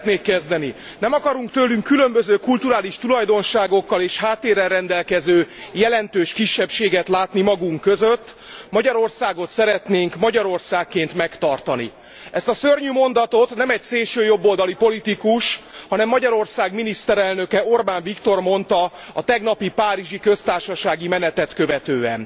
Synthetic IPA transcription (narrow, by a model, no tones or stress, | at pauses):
t̪neːkːɛzd̪ɛni | nɛmɒkɒɾuŋkt̪øːlyŋkːylø̞mbøzøːkult̪uɾaːliʃt̪ulɒjd̪o̞nʃaːɡo̞kːɒleːʃhaːt̪ːeːɾɛlrɛnd̪ɛlkɛzøːjɛlɛnt̪øːʃkiʃːɛpʃeːɡɛt̪laːt̪nimɒɡuŋkːøzøt̪ː | mɒɟɒɾo̞rsaːɡo̞t̪sɛɾɛt̪neːŋkmɒɟɒɾo̞rsaːkːeːnt̪mɛkt̪ɒrt̪ɒnḭ | ʔɛst̪ɒsørɲymo̞nd̪ɒt̪o̞t̪nɛmɛcseːlʃøːjo̞bːo̞ld̪ɒlipo̞lit̪ikuʃhɒnɛmːɒɟɒɾo̞rsaːɡminist̪ɛɾɛlnø̞kɛo̞rbaːɱvikt̪o̞rmo̞nt̪ɒ | ɒt̪ɛɡnɒpipaːɾiʒikø̞st̪aːrʃɒʃaːɡimɛnɛt̪ɛt̪kø̞vɛt̪øːɛn